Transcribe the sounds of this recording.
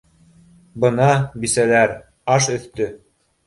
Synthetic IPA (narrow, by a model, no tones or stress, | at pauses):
bɤ̆nɑbisælæɾ | ɑʃɵ̆θt̪ɵ